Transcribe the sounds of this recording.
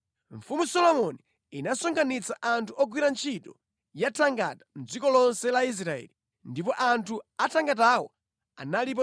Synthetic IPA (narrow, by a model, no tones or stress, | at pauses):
ɱfumusɔlɔmɔniː | nasɔŋɡanit͡saʔantʰuɔɡwiɾant͡ʃʰitɔ | jatʰaŋɡa̰tḁm̩d͡zikɔlɔnsɛlais̬ɾaɛ̰li | ndip̬ɔʔantʰuatʰaŋɡat̬awɔ̰ | a̰nalip̬ɔ